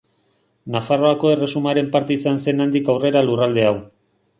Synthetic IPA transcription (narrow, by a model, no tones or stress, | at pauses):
nafaro̞ako̞e̞resumaɾe̞mpaɾt̪eisanse̞nand̪ikawre̞ɾalurald̪e̞aw